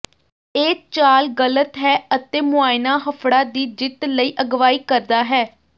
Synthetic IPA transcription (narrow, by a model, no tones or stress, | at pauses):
eːt͡ʃaːlɡələt̪ɦɛːət̪eːmʊaːɪnaːɦəpʰɽaːd̪iːd͡ʒɪt̪ləiːʔəɡʋaːiːkəɾd̪aːɦɛː